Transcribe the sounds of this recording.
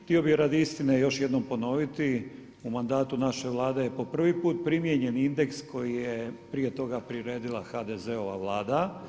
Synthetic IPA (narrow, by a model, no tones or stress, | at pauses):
t̪io̞biɾad̪ist̪inejo̞ʃjed̪no̞mpo̞no̞ʋit̪i | umand̪aːt̪unaʃe̞ʋlˠaːd̪e̞jepo̞pr̩ʋipuːt̪̚pɾimjeɲe̞nind̪e̞ksko̞jijepɾije̞t̪o̞ɡapɾiɾe̞ːd̪ilˠaxad̪eze̞o̞ʋaʋlˠaːd̪a